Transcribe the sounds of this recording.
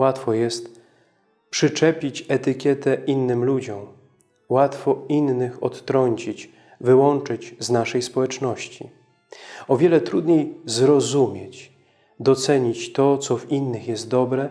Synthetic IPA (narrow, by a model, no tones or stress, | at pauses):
wat̪fɔjɛst̪ | pʂɘt͡ʂɛpʲit͡ɕɛt̪ɘkʲjɛt̪ɛʔinːɘmlud͡ʑɔm | wat̪fɔinːɘxɔt̪ːɾɔɲt͡ɕit͡ɕ | vɘwɔnt͡ʂɘd͡ʑznaʂɛjspɔwɛt͡ʂnɔɕt͡ɕḭ | ɔvʲjɛlɛt̪ɾud̪ɲejzɾɔzumʲjet͡ɕ | d̪ɔt̪sɛɲit͡ɕt̪ɔt̪sɔvinːɘxjɛst̪̚d̪ɔbɾɛ